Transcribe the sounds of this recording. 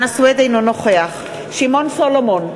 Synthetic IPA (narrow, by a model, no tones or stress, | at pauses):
naswɛd̪ejnonɔχeaχ | ʃimɔnsɔlɔmɔn